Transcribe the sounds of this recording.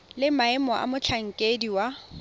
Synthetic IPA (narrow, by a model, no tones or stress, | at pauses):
lɪmaɛmɔʔa̰mʊt͡ɬʰaŋ̩kʼediwa